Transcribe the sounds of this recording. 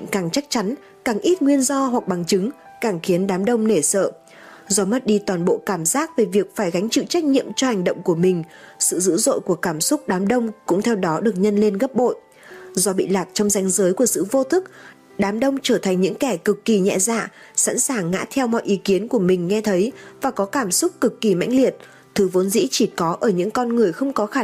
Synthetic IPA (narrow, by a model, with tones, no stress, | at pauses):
ŋkaː˨˩ŋt͡ɕa˦˥k̚t͡ɕa˨˦n | kaː˨˩ŋʔi˦˥t̚ŋwi˧ənzɔ˧ɦwa˨˩k̚ɓa˨˩ŋt͡ɕɨ˨˦ŋ | kaː˧˩ŋxi˨˦ənɗaː˨˦mɗə˧wŋ͡mne˧˩sə̰ː˧˨ | zɔ˨˧mə˦˥t̚ɗi˧t̪waː˨˩nɓo̰˧˨kaː˧˩mzaː˦˥k̚ve˨˩vi˨˩ək̚faː˧˩jɣa˨˦jŋ̟t͡ɕɨ̰˧˨t͡ɕa˦˥jk̚ɲḭ˧˨əmt͡ɕɔ˧ha˨˩jŋ̟ɗə̰˧˨wŋ͡mku˧˩əmï˨˩ŋ̟sɨ̰˧˨zɨ̰˧˥zo̰˧˨jku˧˩əkaː˧˩msʊ˦˥k͡p̚ɗaː˨˦mɗə˧wŋ͡mkʊ̰˧˥ŋ͡mt̪ʰɛ˧wɗɔ˨˦ɗɨ˨˩ək̚ɲə˧nle˧nɣə˦˥p̚ɓo̰˧˨j | zɔ˧ɓḭ˧˨laː˨˩k̚t͡ɕɔ˧wŋ͡mza˨˦jŋzəː˨˦jku˧˩əsɨ̰˧˨vo˧t̪ʰɨ˦˥k̚ | ɗaː˨˦mɗə˧wŋ͡mt͡ɕəː˧˩t̪ʰa˨˩ŋ̟ɲɨ̰˧˥ŋkɛ˧˩kɨ˨˩kːi˨˩ɲɛ̰˧˨za̰ː˧˨sa̰˧˥nsaː˨˩ŋːa̰ː˧˥t̪ʰɛ˧wmɔ̰˧˨jʔi˨˦ki˨˦ənku˧˩əmï˨˩ŋ̟ŋɛ˧t̪ʰə˨˦jvaː˨˩kɔ˨˦kaː˧˩msʊ˦˥k͡p̚kɨ˨˩kːi˨˩ma̰˧˥jŋ̟li˨˩ət̚ | t̪ʰɨ˨˦vo˨˦nzḭ˧˥t͡ɕi˧˩kɔ˨˦ʔəː˧˩ɲɨ̰˧˥ŋkɔ˧nŋɨ˨˩əjxə˧wŋ͡mkɔ˨˦xaː˧˩